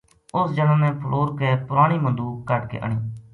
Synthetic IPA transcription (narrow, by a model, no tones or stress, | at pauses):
ʊsd͡ʒəlãːnẽːpʰəlʔoːɾkeːpʊɾaːɽ̃iːmənd̪uːkəʈkḛːʔə̰ɳiː